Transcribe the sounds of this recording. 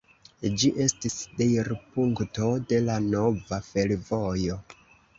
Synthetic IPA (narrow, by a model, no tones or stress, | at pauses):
d͡ʒiʔe̞stisdejɾpuŋkto̞de̞lano̞vafe̞lvo̞jo̞